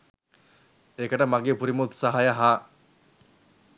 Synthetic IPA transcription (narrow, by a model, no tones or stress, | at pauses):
ekəʈəmaɡeːpuɾimot̪sɐɦajɐɦaː